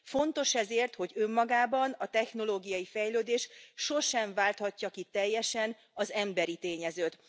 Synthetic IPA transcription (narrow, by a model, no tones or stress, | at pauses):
fo̞nt̪o̞ʃɛzeːrt̪ho̞ɟø̞mːɒɡaːbɒnɒt̪ɛxno̞loːɡijɒjifɛjløːd̪eːʃʃo̞ʃɛɱvaːlt̪hɒcːɒkit̪ɛjːɛʃɛn | ɒzɛmbɛɾit̪eːɲɛzøːt̪